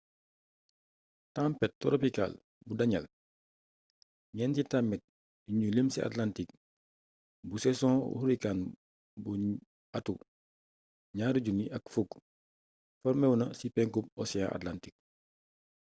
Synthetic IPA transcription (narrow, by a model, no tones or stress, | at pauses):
tãmpɛt̚tɔɾopika̰l | budɐɲɐl | ɲɛnsitamːɛt̚ | iɲulemsiʔa̰tlantik̚ | busɛsɔ̃ːṵhuɾikan | bu | atu | ɲaːɾuɟuniʔɐkfuɡ | fɔɾmɛwunɐsipɛŋkup̚ɔsiã̰ʔa̰tlantik̚